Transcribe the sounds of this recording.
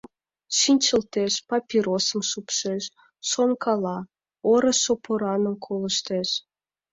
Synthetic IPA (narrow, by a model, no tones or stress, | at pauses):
ʃinʲt͡ɕə̆lt̪eʃpɑpʲiɾosəmʃupʃeʃ | ʃonkʰɑlɑ | oɾə̆sʃopoɾɑnəmkʰoləʃt̪eʃ